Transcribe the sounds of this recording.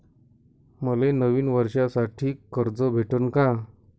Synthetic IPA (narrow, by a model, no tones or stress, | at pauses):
məlenəʋiːnʋəɾɕasaʈʰiːkəɾd͡zɔbʱeʈənka